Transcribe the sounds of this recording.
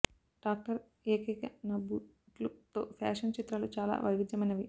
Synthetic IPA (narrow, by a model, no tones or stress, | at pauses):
ɖ̥aːk̚ʈɐɾ | eːkɐkɐnɐbuː | ʈlut̪o̰ːpʰa̰ːʂɐnt͡ʃit̪ɾɐlut͡ʃaːla̰ːʋɐjʋid̪jɐmɐjnɐʋi